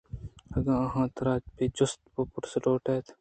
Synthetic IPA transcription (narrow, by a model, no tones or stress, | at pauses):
ɐɡãːɐɦãːt̪ɐɾaːd͡ʒpeːd͡ʒʊst̪popʊɾsʈoːʈeːt̪ʰ